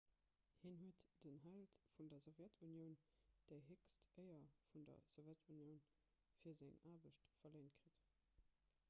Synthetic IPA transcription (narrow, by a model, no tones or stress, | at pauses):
hiːnhuətd̥ənɦæltfundɐzovjætʰunjəʊnd̥eɪɦekstʰʔəɪɐfundɐ̰z̥ovjætʰunjəʊn | fiːɐzæŋaːbəʃtfɐleɪnt̚kʁit